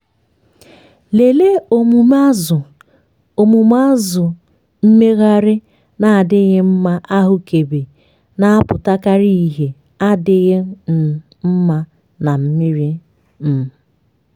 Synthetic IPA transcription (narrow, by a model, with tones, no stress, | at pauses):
le˨le˦o˨mu˨ma˦zʊ˨ | o˨mu˨m˦a˦zʊ˨ | m̩˦me˦ɣa˦ɾɪ˦ | na˨a˨dɪ˦ɣɪ˦m̩˦ma˦ʔa˦ɦʊ˨ke˨be˨ | na˦a˦pʊ˨ta˦ka˦ɾi˦i˦˨ɦe˨ | a˦dɪ˦ɣɪ˦˨ | m̩˦ma˦ | na˨m̩˦mɪ˦ɾi˦ | m̩˨